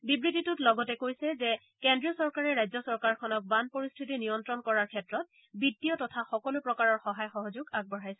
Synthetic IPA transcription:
bibɹititutlɔɡɔtɛkojsɛzɛ | kɛndɹiɔsɔɹkaɹɛɹːajzɔsɔɹkaɹkʰɔnɔk̚banpoɹistʰit̬inijɔntɹɔnkɔɹaɹkʰɛtɹɔt̚ | bitːiɔtɔtʰaxɔkɔlʊpɹɔkaɹɔɹxɔɦajxɔɦɔzuɡaɡ̚bɔɹajsɛ

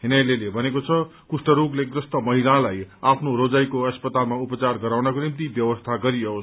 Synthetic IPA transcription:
ɦinajlelebʱʌnekot͡sʰʌkusʈʌɾuɡleɡrʌst̪ʌmʌɦilalajapʰnoɾod͡zajkoʌspʌt̪almaupʌt͡sarɡʌɾawnʌkonimt̪ibjʌbʌst̪ʰaɡʌɾijʌos

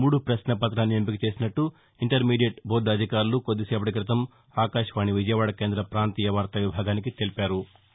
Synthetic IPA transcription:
muːɽupɾɐʃnɐpɐt̪ɾaːnːiempikit͡ʃe̞ːsinɐʈːu | iɳʈɐɾmiːɖijeʈbʱoːɾɖɐd̪ʱikaːɾulukod̪ːiseːpɐʈik̬ɾɐt̪ɐm | aːkaːʃɐʋaːɳiʋid͡ʒɐjɐʋaːɽɐke̞ːnd̪ɾɐpɾaːnt̪iːjɐʋaːɾt̪ɐʋibʱaːɡaːnik̬it̪elipaːɾu

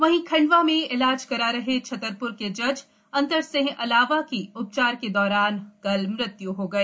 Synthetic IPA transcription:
ʋɐɦĩkʰɐ̃ɳɖʋamẽɪlaːd͡ʒkɐɾaɾɐɦet͡ʃʰɐt̪əɾpʊɾked͡ʒɐd͡ʒ | ɐ̃nt̪əɾsẽɦʔɐlaːʋakiʊp̚t͡ʃaːɾked̪ɔːɾaːnkɐlmɾɪt̪juɦoɡɐeː

